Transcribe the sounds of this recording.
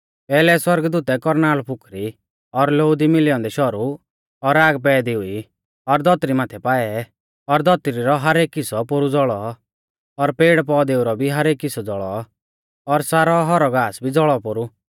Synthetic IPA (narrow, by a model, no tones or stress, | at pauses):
pɛːlɛswɐɾɡd̪uːt̪ɛkɔɾnaːlpʰʊkɾi | ɔɾloʊd̪imɪlɪɔ̃nd̪ɛʃɔɾu | ɔɾaːɡp̬ɛːd̪iui | ɔɾd̪ɔt̪ɾimaːt̪ʰɛpaːɛ | ɔɾd̪ɔt̪ɾiɾɔɦɐɾeːkːɪsɔpoɾud͡zɔɭɔ | ɔɾpeːɽpɔːd̪eːʊɾɔbʱiɦɐɾeːkːɪsɔd͡zɔɭɔ | ɔɾsaːɾɔɦɔɾɔɡaːsbʱid͡zɔɭɔpoɾu